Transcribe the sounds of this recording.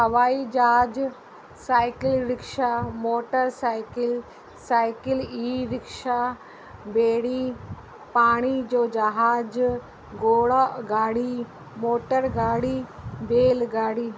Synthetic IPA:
ɦɐʋaːid͡ʒaːd͡ʒ | saːjkɪlɾɪkʂamoːʈəɾsaːjkɪl | saːjkiliːɾɪkʂa | beːɽiː | paːɽ̃id͡ʒoːd͡ʒaɦaːd͡ʒ | ɡoːɭɡaːɽi | moːʈəɾɡaːɽiːbeːlɡaːɽiː

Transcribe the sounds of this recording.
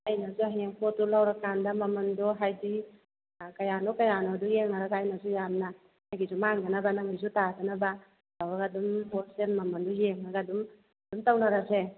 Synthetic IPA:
ajnazuɦeŋpʰɔtulawɾakandamamandɔɦajdi | kajanɔkajanɔdujeŋnaɾaɡaajnazujamna | hajɡizumaŋɡanabanaŋizutatanaba | lawɾaɡadumpɔsenmamandɔjeŋnaɡadum | d̥umtawnaɾase

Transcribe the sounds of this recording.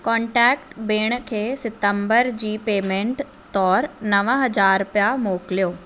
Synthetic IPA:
kɔ̃ːɳʈɛːk̚ʈbeːɽ̃kʰeːsɪt̪ə̃mbəɾd͡ʑiːpeːmẽːɳʈ | t̪ɔːɾnɐʋə̃ɦɐd͡ʑaːɾpjamoːkɪlijoː

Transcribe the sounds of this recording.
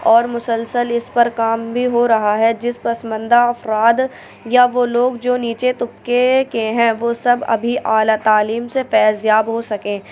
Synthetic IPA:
ɔːɾmʊsəlsəlɪspɐɾkaːmbʱiɦoɾɐɦaɦɛd͡ʒɪspɐsmə̃nd̪aɐfɾaːd̪ | jaʋoːloːɡd͡ʒoːniːt͡ʃet̪ʊpkekeɦɛ̃ʋoːsɐbɐ̰bʱiʔaːlat̪aːliːmsefɛːzjaːbɦosɐkẽː

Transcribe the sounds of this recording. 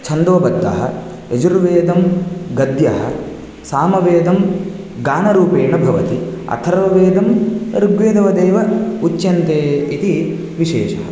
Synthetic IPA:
t͡ʃʰɐnd̪ʋɐbɐd̪ːɐ̰ɦɐ̰ | ed͡ʒuɾʋeːd̪ɐmɡɐd̪jɐɦɐ̰ | saːmɐʋeːd̪ɐm | ɡaːnɐɾuːpeːɳɐbʱɐʋɐt̪iɐ̰t̪ʰɐɾʋɐʋeːd̪ɐmɾuɡʋeːd̪ɐʋɐd̪eːʋɐut͡ʃːjɐnt̪eːit̪i | ʋiʃeːʃɐɦɐ̰

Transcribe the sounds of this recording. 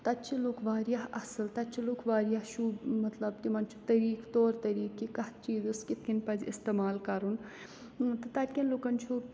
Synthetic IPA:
t̪ɐt̪t͡ʃʰiloːkʋaːɾjɐɐsɨlt̪ɐt̪t͡ʃʰiloːkʋaːɾjɐɦʃʰumɐt̪lɐbt̪imɐnt͡ʃʰu̥t̪ɐɾiːkt̪oːɾt̪ɐɾiːkːikɐh̪t͡ʃiːzɨskit̪̚ʰkinpɐzʲḭst̪eːmaːlkɐɾun | t̪ɨt̪ɐt̪̚ʲkʲɐnloːkɐnt͡ʃʰu

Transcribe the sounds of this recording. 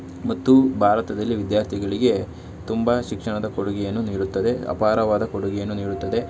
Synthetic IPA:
mɐt̪ːubʱaːɾɐt̪ɐd̪ɐlːiʋid̪jaːɾt̪ʰiɡɐɭiɡe̞ | t̪umbɐʃikʂɐɳɐd̪ɐkoɽuɡɛjɐnːuniːɽut̪ːɐd̪e̞ɐ̰paːɾɐʋaːd̪ɐkoɽuɡɛjɐnːuniːɽut̪ːɐd̪e̞

